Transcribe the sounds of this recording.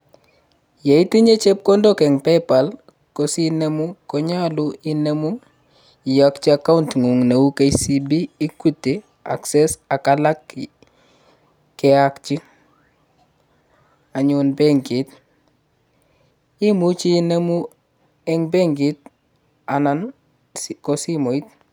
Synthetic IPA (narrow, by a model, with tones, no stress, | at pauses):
je˨i˦ti˦ɲe˦t͡ʃe˦p̚kɔ˦ndo˦kɛ˨ŋpɛpa˨l | kosi˦ne˦mu˦kɔ˦ɲa˦luine˦mu˦ | i˨jakt͡ʃia˨ka˦untŋu˨ŋne˨wu˦ke˦isi˦bi˦i˦ku˦tːe˨ | a̰˨ksɛsa˨kala˦k | kɛ˨akt͡ʃi˦ | a˨ɲunbe˦ŋɡi˨t̚ | i˦mu˦t͡ʃi˦ne˦mu˦ | ɛŋbe˦ŋɡi˦t̚ | a˨na˨n | kɔ˨si˦mo˨i˦t̚